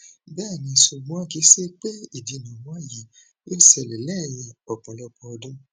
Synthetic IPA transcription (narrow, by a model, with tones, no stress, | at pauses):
bɛː˦˨nĩ˧˨su˧˨ɡ͡bũ˦a˦ki˨˦se˦k͡pe˦i˦˨di˨˧˨nũ˨mɔ̃˦a˦˨ji˨˦ | jo˦sɛ˨lɛ˨lɛ˦˨j̃ĩ˧ɔ˨k͡pɔ̃˨lɔ˦k͡pɔ˧ɔ˧dũ˦